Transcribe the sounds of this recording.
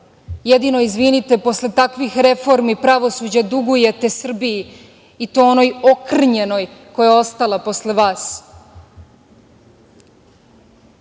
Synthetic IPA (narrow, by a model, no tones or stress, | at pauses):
jed̪inoizʋinit̪e̞po̞slet̪akʋixɾe̞fo̞ɾmipɾaʋo̞suːd͡ʑad̪uɡuje̞t̪e̞sr̩bii | it̪oono̞jo̞kr̩ɲeno̞jko̞jeo̞st̪alˠapo̞sleʋaːs